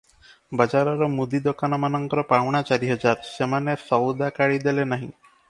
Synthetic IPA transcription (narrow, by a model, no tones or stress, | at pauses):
bad͡ʒaɾɔɾɔmud̪id̪okanɔmanɔŋkɔɾɔpawɽ̃at͡ʃaɾiɦɔd͡ʒaɾsemanesɔwd̪akaɽid̪elenaɦḭ̃